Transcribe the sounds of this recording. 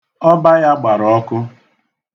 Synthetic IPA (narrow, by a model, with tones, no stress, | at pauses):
ɔ˦ba˦ja˦ɡ͡ba˨ɾɔ˦kʊ˦